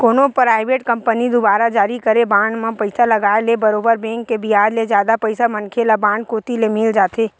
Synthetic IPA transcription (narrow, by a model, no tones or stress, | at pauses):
koːnõpɾaːɪʋeːʈkə̃mpənid̪ʊbaːɾad͡ʒaːɾikəɾebãːɳɖmãpəɪsalɐɡaːelebəɾoːbəɾbɛ̃ːŋkːebijaːd̪led͡ʒjaːd̪apəɪsamɐ̃nkʰelabãːɳɖkoːt̪ilemɪld͡ʒaːt̪eː